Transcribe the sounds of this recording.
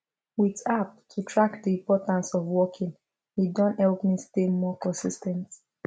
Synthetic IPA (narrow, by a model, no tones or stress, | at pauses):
witap̚tʰutʰɹak̚diĩmpɔtãnsɔvwɔkʰĩŋ | hidɔ̃nthɛlpmistemɔkɔ̃nsistɛ̃nt